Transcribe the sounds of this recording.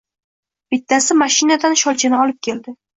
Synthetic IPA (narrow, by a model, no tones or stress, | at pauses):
b̥ɪt̪ʰːasɪmaʃɪnad̪anʃɒlt͡ʃʰanɪɒlɪp̚kʲʰe̞ld̪ɪ